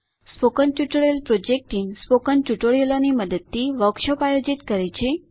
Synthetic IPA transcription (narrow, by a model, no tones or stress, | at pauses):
spokənt͡ʃuʈəɭjelpɾod͡ʒek̚ʈiŋɡspokənt͡ʃuʈoɭjeloniməd̪əd̪̚t̪iʋəkʃəpajod͡ʒit̪kəɾet͡ʃʰe